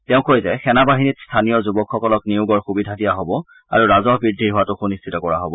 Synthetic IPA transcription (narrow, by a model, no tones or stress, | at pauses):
tɛʊ̃kojzɛxɛnabaɦinitstʰanijɔzubɔkxɔkɔlɔkniʊɡɔɹxubidʱadijaɦobɔ | a̰ɹuɹazɔɦbɹiɹdʱːiɹɦʊwatʊxunistʰitɔkɔɹa̰ɦobɔ